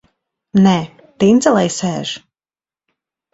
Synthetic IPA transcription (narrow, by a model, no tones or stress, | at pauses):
nɛː | t̪inzɛlˠɛjsɛːʒ̥